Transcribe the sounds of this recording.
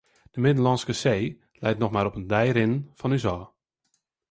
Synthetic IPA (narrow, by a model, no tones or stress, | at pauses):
d̥əmɪdəlɑnskəseː | lɛjtnɔxmaːɾɔpəndɛjɾɪnəfɔnysɔː